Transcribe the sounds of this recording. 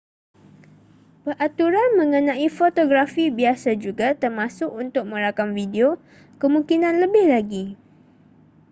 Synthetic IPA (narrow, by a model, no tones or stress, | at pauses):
bərʔat̪uɾanmə̃ŋənãifot̪oɡɾafibiasad͡ʒuɡat̪ərmãsʊkunt̪ʊk̚mə̃ɾakamvideo | kəmũŋkinãnləbɪhlaɡi